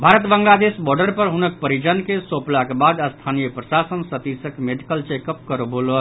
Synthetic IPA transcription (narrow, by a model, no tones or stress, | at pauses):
bʱaɾət̪bəŋɡlad̪esbɔɾɖəɾpəɾɦunək̚pəɾid͡ʒənkesoplakebad̪əst̪ʰanijəpɾəsasənsət̪isəkmeɖikəlt͡ʃekəp̚kəɾobolo